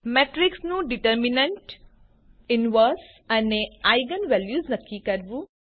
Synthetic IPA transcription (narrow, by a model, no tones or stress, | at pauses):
meːʈɾɪksnũɖiʈəɾminəɳʈ | ɪnʋəɾs | ɐneaɪɡənʋɛljuːznɐkːikɐɾʋu